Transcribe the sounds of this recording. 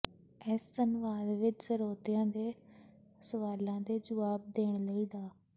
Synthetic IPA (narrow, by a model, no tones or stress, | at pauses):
ɛːsːənʋaːd̪ʋɪt͡ʃsəɾoːt̪ɪjãːd̪eː | səʋaːlãːd̪eːd͡ʒəʋaːb̚d̪eːɽ̃ləiːɖaː